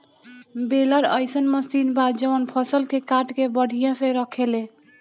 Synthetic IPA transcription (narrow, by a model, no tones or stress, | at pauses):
belaɾʌjsənmʌsinbad͡ʒəwənpʰʌsəlkekaʈkebəɽ̤ʱijãseɾʌkʰele